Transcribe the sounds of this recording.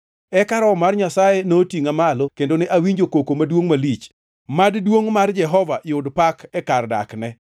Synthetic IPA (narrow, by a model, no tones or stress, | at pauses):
ɛkaɾɔmarɲasajenotiŋamalokendonɛʔawiɲd͡ʒokokomadwoŋmalit͡ʃ | maddwoŋmard͡ʒɛɦɔvaʔɪʊdpakɛkarda̰knɛ